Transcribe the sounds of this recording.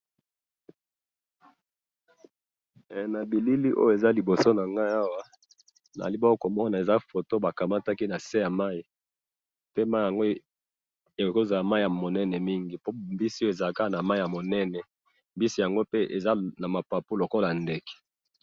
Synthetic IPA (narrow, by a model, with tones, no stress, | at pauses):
na˨bi˨li˦li˦ʔo̰˦jo˦e˨za˦li˨bo˨so˦na˨ŋɡa˦ja˦wa˦ | na̰˨li˦ba˦o˦ko˨mɔ˦na˨e˨za˦fo˨to˦ba˨ka˨ma˦ta˦ki˦na˨se˦ja˨ma˦i˦ | pe˦ma˦i˨ja˨ŋɡo˦ | e˨ko˦za˨la˨ma˦i˨ja˨mo˨nɛ˦nɛ˨mi˦ŋɡi˨po˦mbi˦si˦o˦e˨za˨ka˦˨na˨ma˦i˦ja˨mo˨nɛ˦nɛ˨ | mbi˦si˦ja˨ŋɡo˦pe˦ʔe˨za˦na˨ma˨pa˨pu˦lo˨ko˦la˨nde˨kɛ̥˨